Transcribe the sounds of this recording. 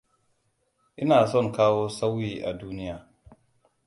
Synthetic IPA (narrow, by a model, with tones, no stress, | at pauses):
ʔɪ˦naː˨sɔ˦˨ŋkaː˦wo˦sa˦wːiː˦ʔa˨duː˦nɪ˦jaː˨